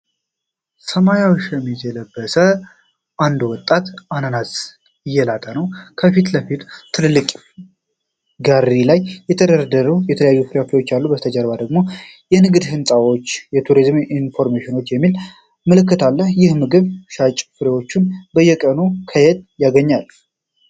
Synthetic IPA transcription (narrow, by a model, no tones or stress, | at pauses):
səmajawʃjɛmːit̪ʰɛləbːəsə | ʔand̪wɔt̪ʼːat̪ʔanənas | ɪjːɛlat̪ʼənəwkʰəfit̪ləfit̪t̪ʰɨlɨlːɨkʼ | ɡaɾilajːɛt̪ʰəd̪əɾd̪əɾujɛt̪ʰələjajːufɨɾeofewo̞t͡ʃːalːubət̪ʰəd͡ʒəɾbad̪əɡmo̞ | jɛnɨɡɨd̪hɨnsʼawo̞t͡ʃːjɛt̪ʰuɾizminfo̞ɾmeʃɪno̞t͡ʃːjɛmːil | məlɨkːɨt̪ʰalːəhjɪhmɨɡɨβʃat͡ʃʼfɨɾewo̞t͡ʃːunbəjːɛkʼənukʰəjɛd̪̚jaɡəɲːal